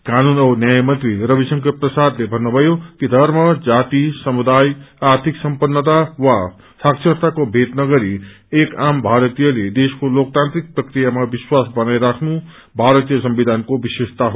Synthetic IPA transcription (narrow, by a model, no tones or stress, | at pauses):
kanunʌnjajmʌnt̪wirʌbisʌŋkʰʌprʌsad̪lebʱʌnːubʱʌjokid̪ʱʌɾmʌd͡zat̪isʌmud̪ajaɾt̪ʰiksʌmpʌnːət̪awa | saksʰʌɾt̪akobʱet̪nʌɡʌɾi | ekambʱaɾʌt̪ijʌled̪eskolok̚t̪ant̪ɾik̚prʌkrijamabiswasbʌnajɾakʰnu | bʱaɾʌt̪ijʌsʌmbid̪ʱankobisest̪aɦo